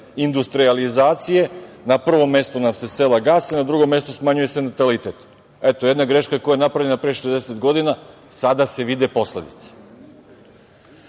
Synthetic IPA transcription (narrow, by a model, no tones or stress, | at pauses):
ind̪ust̪ɾializaːt̪sije̞napr̩ʋo̞mːe̞st̪unamse̞selaɡaːsenad̪ɾuɡo̞mje̞st̪osmaɲuje̞se̞nat̪alit̪et̪ | et̪ojed̪naɡɾe̞ʃkako̞jajenapɾavlʎenapɾeːʃezd̪eset̪ɡo̞d̪inasad̪ase̞ʋid̪epo̞slḛd̪it̪sḁ